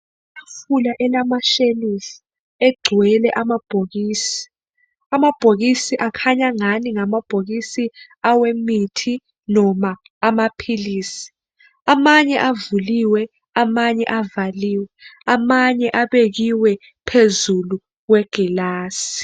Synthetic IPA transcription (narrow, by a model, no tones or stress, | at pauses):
afulaʔɛlamaʃenisi | ɛɡ͡ǀʱwɛlɛʔamab̥ʱoɣiːsi̥ | amab̥ʱoɣ̬isiʔakʰaɲaŋaniŋamab̥ʱoɣ̬isi | awemitʰi | nɔma | amapʰiliːsi̥ | amaɲɛʔavuliwɛ | amaɲɛ̰ʔavaliːwɛamaɲɛʔaɓek̬iwɛ | pʰezulu | k̬wɛɡ̥ʱilaːsi̥